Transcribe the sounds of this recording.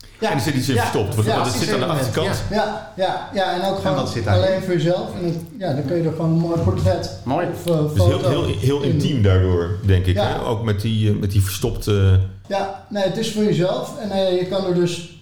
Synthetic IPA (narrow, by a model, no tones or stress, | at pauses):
aɛndɔsɪtdisɪnfəstɔp̚tʋasɪtandəɑxtəkɑtjajajaɛnowkχosɪalejnfʊːɹjəzɛlˠfɛnə | jadɔnkønjədəxʋonənmoːjpɔɹtrɛt | ojfosoɪlˠɦɪəlˠɪntimdaːɹdʊːɹdɛŋkɪkaɛo̰wkmɛtimɛtifəɹstɔptə | janejətɪsfʊːɹjəzɛlˠfɛnjəkɑnədøs